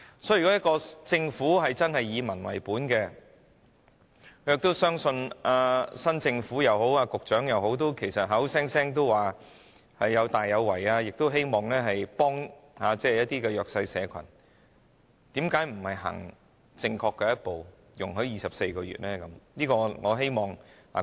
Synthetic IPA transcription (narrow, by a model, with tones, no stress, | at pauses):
sɔ˨˥˨kɔ˨˥jɐ˥t̚kɔː˧t͡sɪ˧ŋfuː˨˥ɦɐ˨jt͡sɐ˥nhɐ˨jːiː˨˧mɐ˨˩nwɐ̰˨˩jpuː˨˥nkɛː˧ | kkʰɵ˨˧jɪ˨k̚t̪o˥wsœː˥ŋsɵ˧naː˧sɐ˥nt͡sɪ˧ŋfuː˨˥jɐ˨˧wɦo˨˥waː˧kʊ˨k̚t͡ʃœː˨˥ŋjɐ˨˧wɦo˨˥wt̪̬o˥wkʰe˨˩jsɐ˨t̚ɦɐ˨˥wsɛː˥ŋsɛː˥ŋt̪o˥wwaː˨˩ | hɐ˨jːɐ˨˧wt̪aː˨jːɐ˨˧wːɐ˨˩jaː˧jɪ˨k̚t̪o˥wɦe˥jmɔː˨˩ŋlɛː˥ɦɐ˨jpɔː˥ŋhaː˨˧t͡sɛː˥˨jɐ˥t̚t̪iː˥kɛː˧jœː˨k̚sɐ˧jsɛː˨˧kʷʰɐ̰˨˩n | t̪iː˨˥mkaː˨˥jm̩˨˩hɐ˨jɦɐ̰˨˩ŋ | t͡sɪ˧ŋkʰɔː˧kːɛː˧jɐ˥t̚po˨w | jʊ˨˩ŋɦɵ˨˥ɥjiː˨sɐ˨p̚se˧jkɔː˧ɥy̰ː˨t̚lɛː˥kɐ˨˦mniː˥kɔː˧ŋɔː˨˧ɦe˥jmɔː˨ŋha̰ː˨